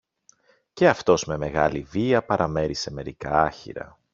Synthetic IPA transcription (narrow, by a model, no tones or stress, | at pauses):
ce̞ɐft̪o̞zme̞me̞ɣɐ̰liviɐpɐɾʔɐme̞ɾise̞me̞ɾikɐɐçḭɾɐ̰